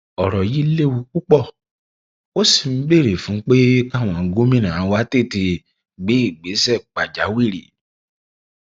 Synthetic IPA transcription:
ɔ˨ɾɔ˨ji˦le˦˨wu˧ku˦k͡pɔ˦˨ | o˦si˦˨m̩˦be˦˨ɾe˨fũ˨˦k͡pe˦ka˦˨w̃ɔ̃˨˦ɡo˦mĩ˦˨nã˨˦wa˦te˦˨te˧ | ɡ͡be˨˦i˦˨ɡ͡be˨˦sɛ˦˨k͡pa˨d͡ʒa˨˦wi˦˨ɾi˨

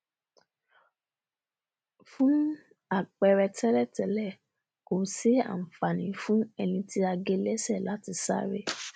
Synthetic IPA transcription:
fũ˦ | a˦˨k͡pɛ˧ɾɛ˧tɛ˦ɾɛ˦˨tɛ˨˦lɛ˦˨ | ko˨se˦a̰˨m̩˨fa˨nĩ˨˦fũ˦ɛ˧nĩ˧ti˦a˧ɡe˧lɛ˦sɛ˦˨la˨˦ti˧sa̰˦ɾe˦

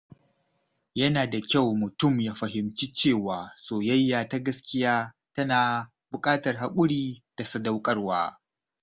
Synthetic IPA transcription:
jɐ˦naː˨da˨kʲa˦˨wmʊ˨tʊ˦˨mjaː˦ɸɐ˨ɦɪ˨mt͡ʃi˦t͡ʃeː˦˨waː˨soː˨jɐ˦jːaː˨ta˦ɡɐ˦skʲɪ˦jaː˦ | tɐ˦naː˨ | bʊ˨kʼaː˦tɐ˨rɦa˨kʷʼʊ˦ɽiː˦d̥a˨sɐ˦da˦wkʼɐ˦rwaː˦

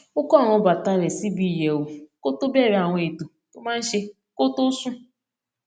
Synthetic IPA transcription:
ʊ˦kɔ˦˨ŋʊ˦ba˨ta˦ɾe˨si˦bi˦˨je˨wu˨ko˦tʊ˦be˦˨ɾa˨ŋʷ˦e˨tu˨ | tʊ˦ma˦n̩˦ʃe˦ | ko˦tʊ˦su˦

